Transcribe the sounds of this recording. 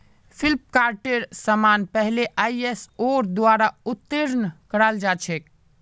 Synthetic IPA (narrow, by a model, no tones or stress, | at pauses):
pʰilp̚kaɾʈeɾsəmanpəɦleʔaiesoɾd̪waɾaut̪ːiɾnkəɾald͡ʒat͡ʃʰek